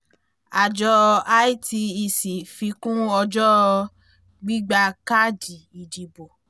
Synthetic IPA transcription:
a˨d͡ʒɔ˧a˦i˦ti˧i˧si˨fi˧˦kũ˦ɔ˧d͡ʒɔ˦˧ | ɡ͡bi˦ɡ͡ba˧ka˦˨d͡ʒi˨i˨d͡ʒi˨bo˨

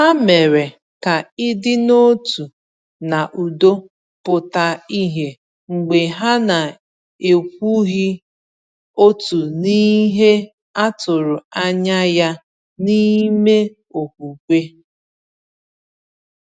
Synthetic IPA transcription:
a˦me˨ɾe˨ | ka˨ɪ˦dɪ˦no˦tu˨ | na˨ʔu˨do˦ | pʊ˨ta˨i˦ɦe˨ | ŋ͡m̩˨ɡ͡be˨ɦa˦na˨ | e˨kʷu˦ɣi˦ | o˦tu˨ni˦ɦe˦ | a˦tʊ˨ɾʊ˨a˦ɲa˦ja˦ | ni˦me˦ | o˨kʷu˨kʷe˦

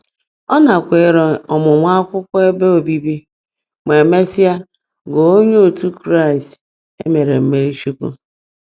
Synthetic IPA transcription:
ɔ˦na˨kʷe˨ɾɔ˨ɔ˨mʊ˨ŋʷa˦a˦kʷʊ˦kʷʊ˦e˦be˦o˨bi˦bi˦ | me˨me˦sɪ˦a˦ | ɡo˨o˦ɲe˦o˨tu˦kɾa˦˨ɪ˨st | e˦me˨ɾe˨m̩˦me˨ɾi˦ʃu˦kṵ˦

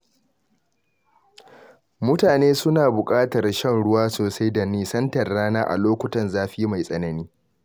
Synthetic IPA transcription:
mʊ˦taː˨neː˦sʊ˦naː˨bʊ˨kʼaː˦tɐ˨rʃɐ˦ŋɽʊ˦waː˦soː˨sa˦jdɐ˨niː˦sɐ˦ntɐ˨rːaː˦naː˦ʔa̰˨loː˦kʷʊ˦tɐ˨nzaː˦ɸi˦ma˨jsʼɐ˨nɐ˦niː˦

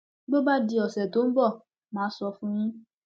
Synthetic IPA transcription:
ɡ͡bo˦ba˦di˧ɔ˨sɛ˨to˨˦n̩˦bɔ˦˨ | mãː˨˦sɔ˧fũ˦nĩ˦

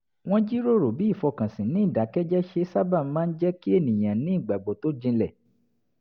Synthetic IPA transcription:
w̃ɔ̃˦d͡ʒi˦ɾo˦˨ɾo˨bi˨˦i˦˨fɔ˧kã˨sĩ˨nĩ˨˦i˦˨da˨˦kɛ˦d͡ʒɛ˦ʃe˧sa˦ba˦˨˦mãː˦n̩˦d͡ʒɛ˦ki˦e˦˨nĩ˨j̃ã˨nĩ˨˦i˦˨ɡ͡ba˨ɡ͡bo˨˦to˦d͡ʒĩ˧lɛ˦˨

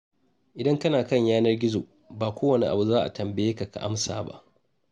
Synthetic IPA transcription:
ʔɪ˨dɐ˦ŋkɐ˦naː˨kɐ˦˨ɲjaː˦nɐ˦rɡʲɪ˦zo̰ː˨ | baː˨kʷoː˦wɐ˨ni˨ʔa̰˨bu˨zaː˦ʔa̰˨tɐ˨mbɐ˨jeː˦ka˨ka̰˨ʔa˦msa̰ː˨ba̰˦ʔ

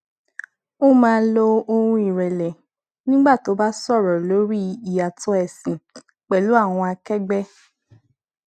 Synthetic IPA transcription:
o˦mãː˦˧lo˧o˧hũ˧i˨ɾɛ˨lɛ˨ | nĩ˦ɡ͡ba˦˨to˨˦ba˦sɔ˦˨ɾɔ˨lo˨˦ɾi˦i˨a˨tɔ˦ɛ˨sĩ˨ | k͡pɛ˨lu˨˦a˦˨w̃ɔ̃˧a˧kɛ˦ɡ͡bɛ˦

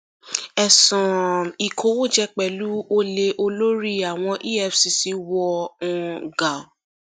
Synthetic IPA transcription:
ɛ˨sɔ̃˨i˨kʰo˨˦wo˦˨d͡ʒɛ˧k͡pɛ˨lu˦o˦le˧ʔo˧lo˦ɾi˦a˨w̃ɔ̃˧ʔi˦ɛ˦˨fsi˧si˧wɔ˧ũ˧ɡa˨

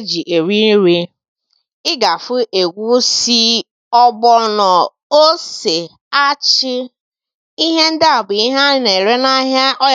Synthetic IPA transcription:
d͡ʒi˨ʔe˨ɾi˦ɾi˦ | ɪ˦ɡa˨fʊ˦ʔe˨ɡʷu˦si˦ | ɔ˦ɡ͡bɔ˦nɔ˨ | o˦se˨ | a˦t͡ʃɪ˦ | i˦ɦe˦n̩˦da˦a˨bʊ˨i˦ɦa˦ne˨ɾe˦na˦ɦja˦ʔɔ˦

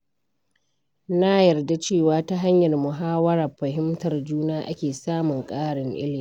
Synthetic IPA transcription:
na˦jɐ˨rda˦t͡ʃeː˦˨waː˦ta˦ɦa˦ɲjɐ˨rmʊ˨ɦaː˦wɐ˦ɾaː˨ɸɐ˨ɦɪ˦mtɐ˨rd͡ʒuː˦naː˦ʔa̰˦kʲeː˨saː˦mʊ˨ŋkʼaː˦ɽɪ˨ŋʔɪ̰˦lmi˦

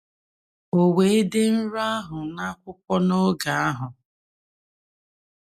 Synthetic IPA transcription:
o˨we˨e˦de˦n̩˦ɾʊ˦a˦ɦʊ˨na˦kʷʊ˦kʷɔ˦no˦ɡa˨a˦ɦʊ˨

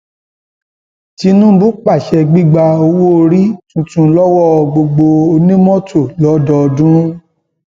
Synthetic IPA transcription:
ti˧˦nũ˦bu˦k͡pa˦˨ʃɛ˧ɡ͡bi˦ɡ͡ba˧o˧wo˦o˧ɾi˦tũ˧tũ˧lɔ˦wɔ˦˨ɡ͡bo˧ɡ͡bo˧o˧nĩ˦mɔ̃˦tʰo˦˨lɔ˨˦dɔ˧dũ˦

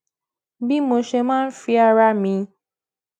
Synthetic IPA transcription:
bi˦mo˧ʃe˧mãː˦n̩˦fi˧a˧ɾa˧˦mĩ˧

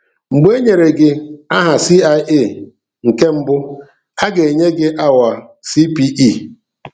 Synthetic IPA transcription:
ŋ͡m̩˨ɡ͡be˦ɲe˨ɾe˨ɡɪ˨a˦ɦa˨si˦a˦ʔe˦˨ | ŋ̩˨ke˦m̩˦bʊ˦ | a˦ɡe˨e˨ɲe˦ɡɪ˦ʔa˦wa˨ | si˦pi˦ʔi˦˨

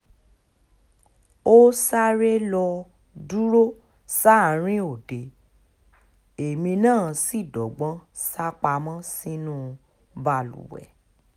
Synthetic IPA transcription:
o˦sa˦ɾe˦lɔ˧ | du˦ɾo˦ | sa˦˨ɾ̃ĩ˦o˨de˨ | e˨mĩ˧nãː˦˨si˦˨dɔ˨ɡ͡bɔ̃˦sa˦k͡pa˧mɔ̃˦si˦nũ˦˨ | ba˧˨lṵ˨wɛ̰˨

